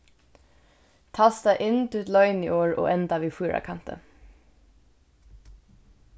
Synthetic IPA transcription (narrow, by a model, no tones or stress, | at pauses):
t̪ʰɑːst̪ɑʔɪnt̪ʰʉːt̪lœʏnḭːʔoːɹo̰ːʔɛnt̪aʋiːfuːɹʔa̰kʰant̪ə̰